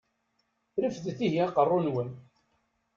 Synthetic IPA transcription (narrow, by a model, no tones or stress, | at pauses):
ɾifðθiɦiæqərˤːʊnwæn